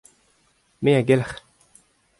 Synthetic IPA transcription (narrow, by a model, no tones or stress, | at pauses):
mejaɡelx